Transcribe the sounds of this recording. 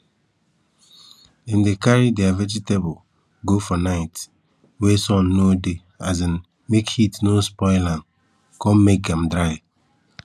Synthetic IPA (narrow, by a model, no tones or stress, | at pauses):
ĩndekaɾideavɛd͡ʒitebʊl | ɡofɔnaɪt | wesɔ̃nːode | azin | mekhitnospɔɪlãn | kɔ̃mmek̚dɛ̃m̩dɾaɪ